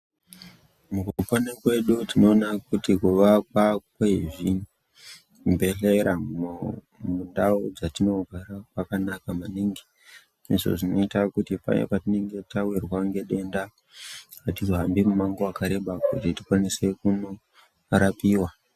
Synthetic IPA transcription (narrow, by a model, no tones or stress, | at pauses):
mukuuponekwe̞ɗutino̞ːnakutikuʋakwakweʐi | mbe̞ɬeɾam | mundaud͡zatino̞ɡʱaɾakwakanakamaniːŋɡe | iʐo̰ʐino̞itakutipa̰jḛpatine̞ŋɡe̞tawirwaŋɡe̞ɗe̞nda | atizoɦambimumaŋɡoakaɾe̞ɓakutiti̥kwanise̞kuno | ɾapiːwa